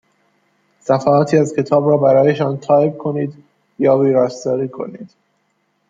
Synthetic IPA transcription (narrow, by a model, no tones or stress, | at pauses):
sæfæɒːt̪ʰiːæzcʰe̞t̪ʰɒːbɾɒːbæɾɒːje̞ʃɒnt̪ʰɒːjeb̚kʰo̞niːd̪ | jɒːbiːɾɒːsd̪ɒːɾiːkʰo̞̰niːd̪̥